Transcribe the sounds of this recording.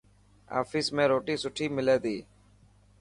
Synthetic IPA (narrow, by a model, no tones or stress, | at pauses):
a̰ːfʰɪːsmẽːɾoːʈiːsʊʈʰiːmɪleːd̪iː